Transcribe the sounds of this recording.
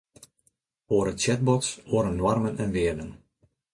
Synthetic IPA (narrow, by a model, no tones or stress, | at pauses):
oːɾət͡ʃɛt̚bɔtsoːəɾənːwarmənɛnʋɪərdən